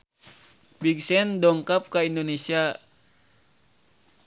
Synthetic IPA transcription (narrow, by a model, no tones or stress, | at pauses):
biɡsɛndɔŋkap̚kaindonesia